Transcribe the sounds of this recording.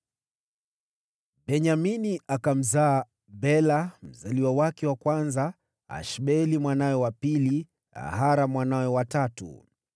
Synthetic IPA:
bɛɲaminiakam̩zaː | bɛlam̩zaliwawakɛwakwanza | a̰ʃɓɛlimwanawɛwapili | a̰ɦaɾamwanawɛwatatṵ

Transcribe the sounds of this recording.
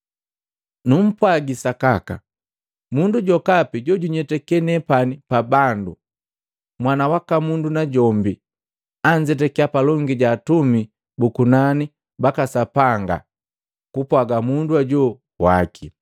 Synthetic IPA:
num̩pwaɡisakaka̰ | munduɟɔkapiɟɔɟuɲɛtɛkɛnɛpanipabandu | mwanawakamundunaɟɔmbi | aɲd͡ʒɛt̬ɛkiapalɔŋɡiɟaːtumi | bukunani | bakasapaŋɡa̰ | kupwaɡamunduaɟɔ | wa̰kʰi

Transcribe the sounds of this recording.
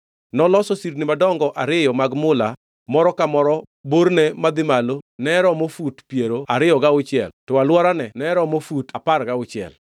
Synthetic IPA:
nɔlɔsɔsiɾnɪmadɔŋɡɔʔaɾɪjɔmaɡmʊla | mɔɾɔkamɔɾɔ | boɾnemad̪ɪmalonɛɾɔmofutpjeɾoaɾɪjɔɡaʊt͡ʃɪɛ̰ltɔalwɔɾanɛnɛɾɔmofutaparɡaʊt͡ʃɪɛ̰l

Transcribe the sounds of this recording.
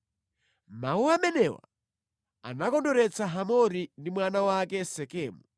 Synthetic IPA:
mauamɛnɛwa̰ | a̰nakɔndɔɾɛt͡saɦamɔɾindimwanawakɛsɛkɛːmu

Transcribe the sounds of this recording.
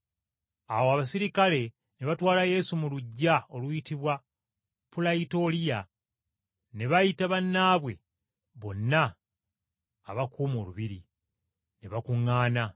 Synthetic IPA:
awoaβasiɾikale̞ | neβatwaːlaje̞sumuluɟːao̞lwitiβwa | pulaito̞ːlija | neβajitaβanːaːβwe̞̰ | βo̞nːa | βakʰuːmo̞ːluβiɾi | neβakuŋːaːna

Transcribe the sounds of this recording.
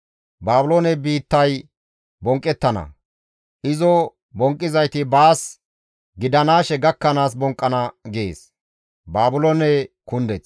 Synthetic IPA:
baːbʊloːnɛbiːt̪ːɐj | bɔŋkʼːɛt̪ːɐnɐ̰ | ʔɪzɔ | bɔŋkʼːɪzɐjt̪ɪbaːs | ɡɪd̪ɐnaːʃɛɡɐkːɐnaːs̬bɔŋkʼːɐnɐɡḛːs | baːbʊloːnɛkʊnd̪ɛt͡s

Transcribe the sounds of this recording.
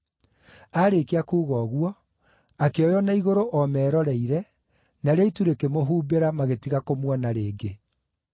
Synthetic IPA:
aɾekeakuːɣɔːɣwɔ | akeɔjɔnaiɣoɾoʔɔmɛːɾɔɾɛiɾɛ | naɾeituɾekemoɦuːbeɾamaɣetiɣakomwɔnaɾeːɡe

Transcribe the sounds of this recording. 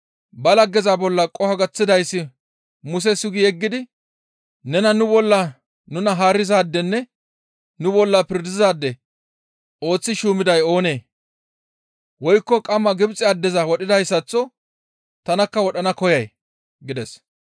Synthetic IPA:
bɐlɐɡɛzabɔlːɐkʼɔhɐɡɐt͡sːɪd̪ɐjsːɪ | mʊs̬ɛsʊɡɪjɛɡːɪd̪ɪ | nɛnɐnʊbɔlːɐ | nʊnɐɦaːɾːɪzaːd̪ːɛnːɛ | nʊbɔlːɐpɪɾd̪ɪzaːd̪ːɛ | o̞ːt͡sːɪʃuːmɪd̪ɐjo̞ːne̞ː | wɔjkːɔkʼɐmːɐɡɪbt͡sʼːɪɐd̪ːɛzɐwɔɗɪd̪ɐjsːɐt͡sːɔ | t̪ɐnɐkːɐwɔɗɐnɐkɔjɐj | ɡɪd̪ɛs

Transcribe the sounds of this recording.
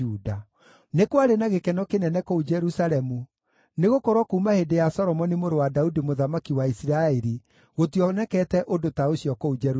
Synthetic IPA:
uda | nekwaɾenaɣekɛnɔkenɛnɛkoud͡ʒɛɾusaɾɛmu | neɣokoɾwɔkumahedejasɔɾɔmɔnimoɾowadaudimoðamakiwaisiɾaeɾi | ɣotiɔnɛkɛtɛʔodotaoɕjɔkoud͡ʒɛ

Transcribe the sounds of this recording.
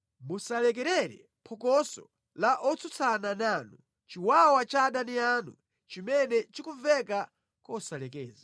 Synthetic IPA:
musalɛk̬ɛɾɛɾɛ̰ | pʰɔkɔsɔ̰ | laʔɔt͡sʰut͡sʰanananu | t͡ʃiwawat͡ʃaːɗanianu | t͡ʃimɛnɛt͡ʃikuvɛka | kɔsalɛkɛːza

